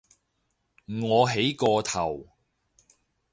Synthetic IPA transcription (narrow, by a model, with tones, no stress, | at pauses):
ŋɔː˨˧ɦe˨˥jkɔː˧t̪ʰɐ˨˩w